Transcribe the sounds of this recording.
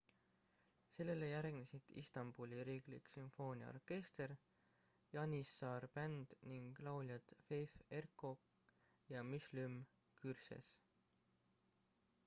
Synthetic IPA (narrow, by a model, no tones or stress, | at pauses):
se̞lːe̞lejæɾɡ̥nesid̪̥ḭst̪ɑmb̥ulʲiɾiːɡlḭksymfo̞ːnʲiɑ̰o̰rke̞st̪e̞ɾ | jɑnʲisːɑːrpænd̪̥niŋɡ̥lɑwljɑt̪fejfe̞rkok | jɑmyslym | kyrsḛs